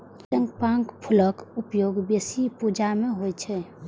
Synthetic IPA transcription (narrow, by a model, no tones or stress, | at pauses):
t̪ə̃ŋɡpãŋkpʰʊləkʊpjoːɡbesipud͡ʒamẽɦojt͡ʃʰɛ